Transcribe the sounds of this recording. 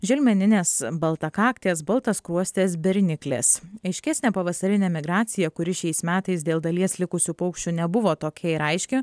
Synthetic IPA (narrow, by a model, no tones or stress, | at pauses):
ʒʲɪlʲmʲɛnʲɪnʲeːsbɐlˠt̪ɐkɑːkt̪ʲeːsbɐlˠt̪ɐskɾuɔsʲt̪ʲeːs̬bʲɛɾʲnʲɪklʲḛːsɐɪʃʲkʲɛsʲnʲeːpɐʋɐsɐɾʲɪnʲɛmʲɪɡɾɑːt̪sʲɪjɛkʊɾʲɪʃʲɛɪsmʲæːt̪ɐɪsd̪ʲeːlˠd̪ɐlʲiɛslʲɪkʊsʲuːpɐʊkʃʲt͡ʃʲuːnʲɛbʊʋoːt̪oːkʲɛɪɾɐɪʃʲkʲɪ